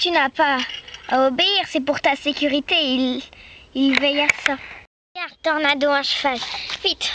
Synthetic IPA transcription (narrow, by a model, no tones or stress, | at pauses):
t̪ynapaː | obeiʁsɛpuʁt̪asekʲyʁit̪eil | ilvɛjasa | ɡaʁd̪t̪ɔʁnad̪oɛ̃ʃəvalvit̪